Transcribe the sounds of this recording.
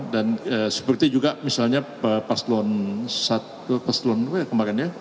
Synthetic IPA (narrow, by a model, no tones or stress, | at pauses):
danəsə̥pərt̪id͡ʒuɡaʔmisalɲa | əpaslɔnsat̪ | upaslɔnuajakəmaɾɛnja